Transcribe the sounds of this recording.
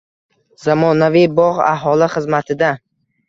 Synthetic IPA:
zamɒnavibɒʁa̰ɦɒlɪχɨzmat̪ʰɪd̪a

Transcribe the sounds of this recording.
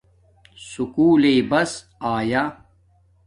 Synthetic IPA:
sukuːlebɐs | aːja

